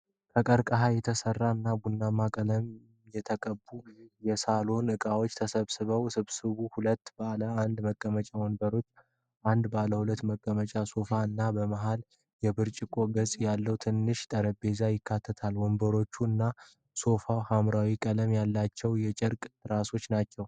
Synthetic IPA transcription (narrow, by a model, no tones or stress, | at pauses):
kʰəkʼəɾkʼəɦajɛt̪ʰəsərːaɨnːabunːamːakʼələm | jɛt̪ʰəkʼəbːujɛsalo̞nɨkʼawo̞t͡ʃːt̪ʰəsəβsɨβəwsɨβsɨβuhulət̪ːbəaləand̪məkʼːəmət͡ʃʼawɔnbəɾo̞t͡ʃː | ʔand̪baləhulət̪ːməkʼːəmət͡ʃʼaso̞faɨnːabəmaɦal | jɛbɨɾt͡ʃʼɪkʼo̞ɡəzʼjalːəwt̪ʰɨnːɨʃt̪ʼəɾəbe̞zajɪkʰːat̪ʰːət̪ʰalwɔmbəɾo̞t͡ʃːuɨnːa | so̞fawhamɾawikʼələmjalːat͡ʃːɛwjɛt͡ʃʼɪɾkʼɾaso̞t͡ʃːnat͡ʃːɛw